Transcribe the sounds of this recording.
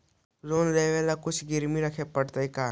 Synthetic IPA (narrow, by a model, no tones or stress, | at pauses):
loːnleːʋelakʊt͡ʃʰɡɪɾmiɾɐkʰepəɽt̪eikaː